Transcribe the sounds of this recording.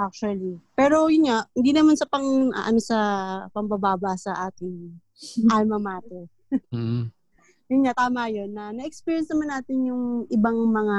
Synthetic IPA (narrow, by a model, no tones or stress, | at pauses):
ʔak̚t͡ʃuɐlipɛːɾo̞jʊnɲahɪnd̪inɐmansɐpɐŋɐ̰ʔɐ̰nosɐpɐmbɐbaːbɐsɐʔaːt̪ɪŋ | ʔamɐmaːt̪ɛ | jʊnɲat̪aːmɐjonːɐnɐʔɛkspiːjɛnsnɐmanːaːt̪ɪnjʊŋʔɪbaŋmɐŋa